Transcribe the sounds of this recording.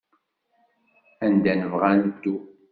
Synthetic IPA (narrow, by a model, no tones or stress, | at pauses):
ænd̪ænəvʁand̪u